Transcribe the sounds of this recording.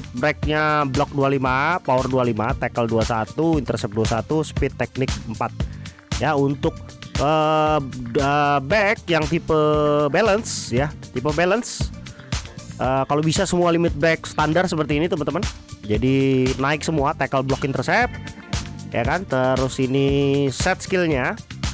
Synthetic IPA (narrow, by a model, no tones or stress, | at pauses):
bɾɛk̚ɲablɔk̚dualimapawərdualimat̪ɛkəlduasat̪uint̪ərsɛp̚duasat̪usə̥pɪt̪ːɛk̚nɪk̚əmpat̪̚ | jaunt̪ʊk̚ | ə | əbɛk̚jaŋt̪ipəbelənsjat̪ipəbɛləns | ʔəkalobisasəmualimɪt̪̚bɛk̚sə̥t̪andarsəpərt̪iːnit̪əmənt̪əmən | d͡ʒadinaɪk̚səmuat̪ɛkəlblɔkint̪ərsɛp̚ | ja̰kant̪əɾʊsinisɛt̪̚skɪlɲa